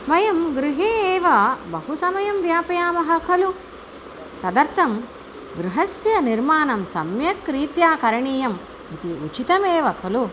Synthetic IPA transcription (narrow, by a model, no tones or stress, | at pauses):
mɐjɐmɡɾiɦeːeːʋɐbɐɦusɐmɐjɐmʋjaːpɐjaːmɐɦɐkʰɐlu | t̪ɐd̪ɐɾt̪ʰɐm | ɡɾɪɦɐsjɐniɾmaːnɐmsɐmjɐkɾiːt̪jaːkɐɾɐɳiːjɐm | it̪iut͡ʃit̪ɐmeːʋɐkʰɐlu